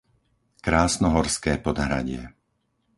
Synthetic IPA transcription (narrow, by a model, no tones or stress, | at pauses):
kɾaːsnɔɦɔɾskɛːpɔd̪ɦɾa̰ɟɪɛ̰